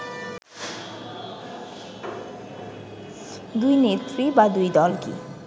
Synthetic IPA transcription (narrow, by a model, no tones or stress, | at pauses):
d̪ujnet̪ribad̪ujd̪ʌlkḭ